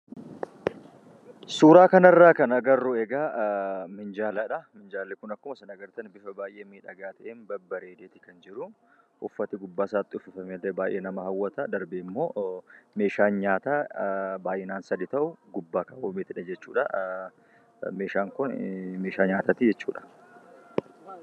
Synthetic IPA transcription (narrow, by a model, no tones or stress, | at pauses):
suːɾaːkɐnɐrːaːkɐnɐɡɐrːʊɛɡaːmɪnd͡ʒaːlɐᶑɐmɪnd͡ʒaːlːɛkʊnɐkːʊmɐsɐnɐɡɐɾt̪ɐnbɪfɐbaːjʔeːmiːᶑɐɡaːt̪ɐʔeːnbɐbːɐɾeːd̪eːt̪ɪ̥kɐnd͡ʒɪɾʊ | ʔʊfːɐt̪ɪɡʊbːaːsaːt̪ʼːɪʊfɪfɐmelːɛbaːjʔeːnɐmɐhɐwːɐt̪ɐd̪ɐɾbemːo̞ːme̞ːʃaːnɲaːt̪aːbaːjʔɛnaːnsɐd̪ɪt̪ɐʔʊɡʊbːaːkɐwomeːt̪ɪᶑɐd͡ʒɛt͡ʃːuːᶑɐ̰ | me̞ːʃaːŋkʊnmeːʃaːɲaːt̪aːt̪ɪd͡ʒɛt͡ʃːṵːᶑɐ̥